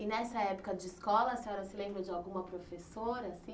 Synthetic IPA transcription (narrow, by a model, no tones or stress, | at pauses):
ɪnɛsɐɛpo̥kɐd͡ʒɪiskɔlɐsĩɔɾɐsɪlẽmbɾɐd͡ʒɪawɡũmɐpɾofesoɾɐsĩ